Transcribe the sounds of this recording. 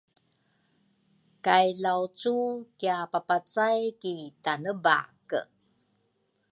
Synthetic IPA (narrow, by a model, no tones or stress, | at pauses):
kajlawt͡sukiapapat͡sajkitanəba̰kə